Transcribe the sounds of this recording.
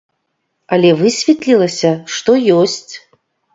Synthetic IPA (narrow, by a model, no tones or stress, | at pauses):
ɐlʲɛvɨsʲvʲɛt̪lʲilˠɐsʲɐʂt̪ɔjɔsʲt͡sʲ